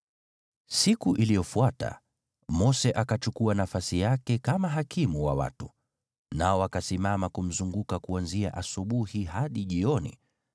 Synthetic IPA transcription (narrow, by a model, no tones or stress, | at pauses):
sikuʔilijɔfuata̰ | mɔsɛʔakat͡ʃukuanafasijakɛkamaɦakimuwa̰wa̰tu | naɔakasimamakum̩zuŋɡukakuanzia̰ʔasuɓuhiɦaɗiʄiɔnḭ